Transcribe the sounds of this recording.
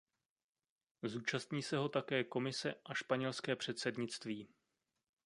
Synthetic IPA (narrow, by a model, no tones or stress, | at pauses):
zuːt͡ʃast̪ɲiːsɛɦo̞t̪akɛːko̞mɪsɛʔaʃpaɲɛlskɛːpr̥ɛt̪sɛdɲɪt͡st̪viː